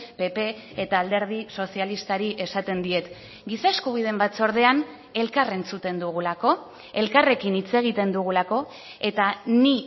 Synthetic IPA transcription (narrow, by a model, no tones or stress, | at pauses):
pe̞pe̞ | et̪aːld̪e̞ɾð̞iso̞sialist̪aɾiʔe̞sat̪e̞nd̪iet̪ | ɡisaeskuβ̞ið̞e̞mbat͡so̞ɾð̞e̞an | e̞lkare̞nt͡sut̪e̞nd̪uɣ̞ulako̞ | e̞lkare̞kinit͡se̞ɣ̞it̪e̞nd̪uɣ̞ulako̞ | e̞t̪ani